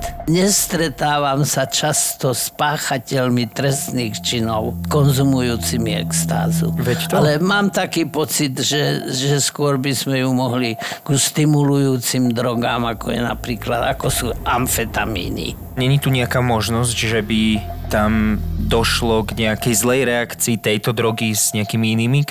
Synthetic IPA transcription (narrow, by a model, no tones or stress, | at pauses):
t̪ɲɛst̪ɾɛt̪aːʋamsat͡ʃast̪ɔspaːxacɛʎmit̪ɾɛst̪niːxt͡ʃinɔʊkɔnzumujuːt͡simiɛ̰kst̪a̰ːzṵʋɛc̪alɛmaːmt̪akiːpɔt͡sid̪ʒɛʒɛskʊɔɾbizmɛjumɔɦliɡ̥uʃt̪imulujuːt͡simd̪ɾɔɡaːmakʰɔjɛ̰na̰pɾiːklad̪akɔsuːamfɛt̪amḭːnḭ | ɲɛɲit̪uɲɛakaːmɔʒnɔzɟʒɛbit̪amd̪ɔʃlɔɡɲɛakɛjzlɛjɾɛakt͡siːt̪ɛjt̪ɔd̪ɾɔɡiz̥ɲɛakimiiniːmi